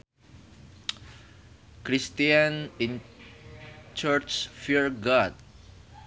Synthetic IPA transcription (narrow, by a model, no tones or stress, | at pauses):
kɾist̪iãnĩn | t͡ʃəɹt͡ʃfiɹɡɔd̚